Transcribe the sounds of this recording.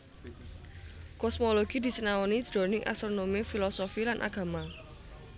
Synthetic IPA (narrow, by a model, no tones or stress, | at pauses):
kɔsmoloɡ̥id̪̥i̤sənawɔnid̥ɾo̤nɪŋʔa̰st̪ɾonomifilɔsofilanʔa̰ɡ̥a̤ma